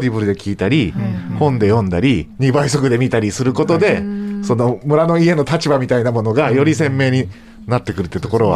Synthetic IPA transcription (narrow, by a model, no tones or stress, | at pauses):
d̪ʲibɯ̟ɾɯd̪e̞kʲʰiːt̪aɾʲihõ̞nd̪e̞jõ̞nd̪aɾʲiɲ̟ibaiso̞kɯ̟d̪e̞mʲit̪aɾʲisɨɾɯ̟ko̞t̪o̞d̪e̞so̞no̞mɯ̟ɾano̞ie̞no̞t̪at͡ɕibamʲit̪ainamo̞no̞ɡajo̞ɾʲisẽ̞mːe̞ːɲ̟i | nat̪ːe̞kɯ̟ɾɯt̪ːet̪o̞ko̞ɾo̞βa̰